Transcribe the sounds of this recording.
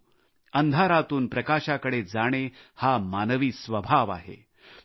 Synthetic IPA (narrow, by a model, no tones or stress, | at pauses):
ənd̪ʱaɾat̪uːnpɾəkaɕakəɽed͡zaɽ̃ehamanəʋiːsʋəbʱaʋaɦḛ